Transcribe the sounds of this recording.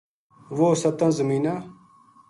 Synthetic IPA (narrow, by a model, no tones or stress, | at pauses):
ʋoːsɐt̪ãːzəmiːnaː